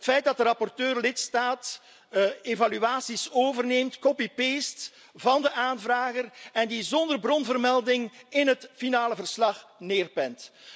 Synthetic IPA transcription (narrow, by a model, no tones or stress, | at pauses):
ətfɛjt̚dɑtdəɾɑpɔrtøːrlɪtstaːt | evalyaːsisoːvərneːmtkopipeːst | vɑndəʔaːnvraːɣərɛndizɔndərbrɔnvərmɛlˠdɪŋɪnɦətfinaːləvərslɑχneːrpɛnt